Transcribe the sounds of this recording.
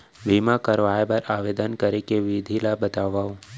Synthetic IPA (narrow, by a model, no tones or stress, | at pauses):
bimakəɾʋaːjbəɾaːʋeːd̪ənkəɾekeʋid̪ʱilabət̪aːʋaːõ